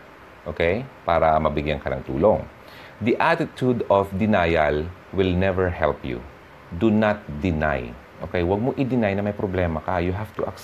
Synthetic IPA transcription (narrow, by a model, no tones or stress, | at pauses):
ʔoːkɛjpaːɾɐmɐbɪɡjankɐnɐ̰ŋt̪ṵːloŋ | d̪iʔat̪ɪt̪ud̪ofd̪ɪnaːjɐl | wɪlnɛvɛɹhɛ̰lpjṵ | d̪unat̪̚d̪ɪna̰j | ʔo̰ːkɛjwɐɡ̚moʔɪd̪ɪnajnɐmɐjpɾoblɛːmɐkɐjʊɦaft̪ʊʔɐk